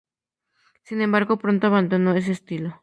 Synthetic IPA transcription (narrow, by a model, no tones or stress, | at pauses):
sinembaɾɣo̞pɾo̞nt̪oaβand̪onoe̞s̬e̞ːst̪ilo